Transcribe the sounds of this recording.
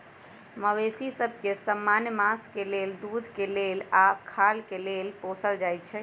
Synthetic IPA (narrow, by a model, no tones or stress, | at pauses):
məwesisəb̚ʱkesəmːanjmaskeleld̪ud̪ʱkelelakʰalkelelposəld͡ʒajt͡ʃʰɛ